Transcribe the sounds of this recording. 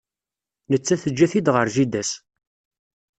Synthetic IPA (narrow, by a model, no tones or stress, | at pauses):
nət͡sːæθəd͡ʒːæθid̪ʁəɾʒid̪æs